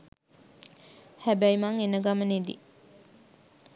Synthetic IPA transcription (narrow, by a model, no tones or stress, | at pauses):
hæbæjmaŋenəɡaməned̪ḭ